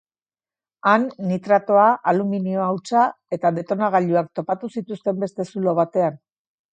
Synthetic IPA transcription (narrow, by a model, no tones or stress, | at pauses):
anːit̪ɾat̪o̞aʔaluminio̞awt͡sa | e̞t̪aðe̞t̪o̞naɣ̞aʎuak̚t̪o̞pat̪usit̪ust̪e̞mbe̞st̪e̞sulo̞βat̪e̞an